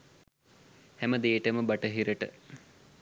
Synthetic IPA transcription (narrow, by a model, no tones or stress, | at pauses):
hæməd̪eːʈəməbɐʈəɦiɾəʈə̰